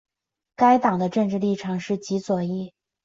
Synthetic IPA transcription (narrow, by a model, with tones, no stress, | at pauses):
ka˥ɪt̪ɑ˨˩ŋd̪ə˦ʈ͡ʂɤ˥˧ŋʈ͡ʂɻ̩˥˧li˥˩ʈ͡ʂʰɑ˨˩ŋʂɻ̩˥˩t͡ɕi˧˥t͡swɔ˨˩i˥˩